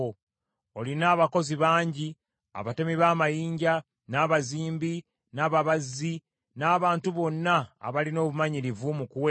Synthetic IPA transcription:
o | olinaːβako̞ziβaːɲɟi | a̰βatemiβaːmajiːɲɟa | naːβaziːmbi | naːβaβazi | naːβaːntuβo̞nːa̰ːβalino̞ːβumaɲiɾivumukuwe

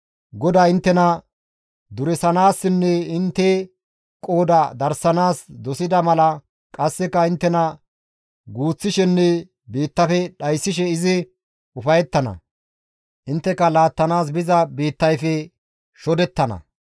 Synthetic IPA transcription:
ɡɔd̪aːɪnt̪ːɛnɐ | d̪ʊɾɛsɐnaːsːɪnːɛɪnt̪ːɛ | kʼo̞ːd̪ɐd̪ɐɾsɐnaːsd̪ɔsɪd̪ɐmɐlɐ | kʼɐsːɛkːɐɪnt̪ːɛnɐ | ɡuːt͡sːɪʃɛnːɛ | biːt̪ːɐfɛɗɐjsːɪʃ̬ɛɪzɪ | ʊfɐjɛt̪ːɐnɐ̰ | ʔɪnt̪ːɛkːɐlaːt̪ːɐnaːs̬bɪzɐbiːt̪ːɐjfɛ | ʃɔd̪ɛt̪ːɐnɐ̰

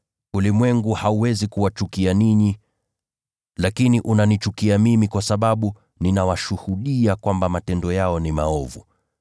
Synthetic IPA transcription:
ulimwɛŋɡuhauwɛzikuwat͡ʃukianiɲi | lakiniʔunanit͡ʃukiamimikwasaɓaɓu | ninawaʃuhuɗiakwambamatɛndɔjaɔnimaɔvṵ

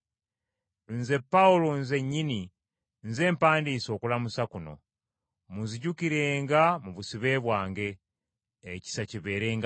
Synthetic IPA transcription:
nze̞pːaulonze̞ɲːini | nze̞ːmpaːndiːso̞ːkulamusakuno̞̰ | muziɟukiɾe̞ːŋɡamuβusiβe̞ːβwaːŋɡe̞ː | ci̥saciβe̞ːɾe̞ːŋɡ

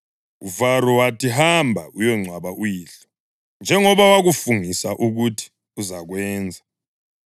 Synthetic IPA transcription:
uvaɾɔwatʰiɦambʱaʔujɔŋ͡ǀʱwaβaʔujiːɬɔ | nd͡ʒʱɛŋɔβawaɣufuŋisaʔuɣutʰi̥ | uzaɣwɛːnd͡zʱa

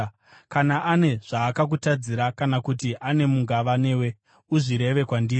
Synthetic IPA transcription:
kanaʔane̞ʐ̥aːkak̬utad͡ziɾakanakutiʔane̞muŋɡaʋane̞ːwe̞ | uʐiɾe̞ʋe̞kwandiːr

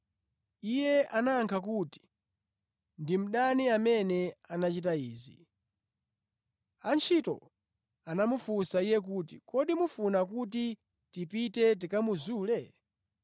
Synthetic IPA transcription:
ijɛanaŋkʰakuti̥ | ndim̩ɗaniamɛnɛanat͡ʃitaiːzḭ | ant͡ʃʰitɔ̰ | anamufusaijɛk̬utikɔɗimufunakuti | tipitɛt̬ikamuzuːlɛ

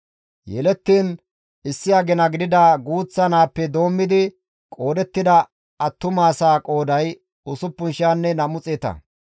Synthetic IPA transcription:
jɛ̰lɛt̪ːiːn | ɪsːɪjaɡɛnɐɡɪd̪ɪd̪aɡuːt͡sːɐnaːpːɛd̪o̞ːmːɪd̪ɪ | kʼo̞ːd̪ɛt̪ːɪd̪ɐ | ɐt̪ːʊmaːsaːkʼo̞ːd̪ɐj | ʊsʊpːʊnʃaːnːɛnɐmʊt͡sʼeːt̪ɐ̰

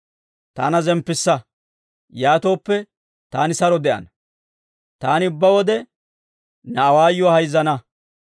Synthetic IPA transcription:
t̪a̰ːnɐzɛmpːɪsːɐ | jaːt̪o̞ːpːɛ | t̪aːnɪsɐɾɔd̪ɛʔɐ̰nɐ | t̪aːnɪʊbːɐwɔd̪ɛ | nɐːwaːjːɔahɐjzːɐnɐ

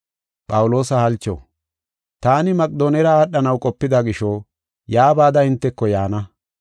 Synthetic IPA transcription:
pʼɐwʊlo̞ːsɐhɐlt͡ʃːo̰ː | t̪aːnɪmɐkʼd̪oːnɛɾɐaːɗːɐnɐwkʼɔpːɪd̪ɐɡɪʃoː | jaːbaːd̪ɐɪnt̪ːɛkːɔjaːnɐ

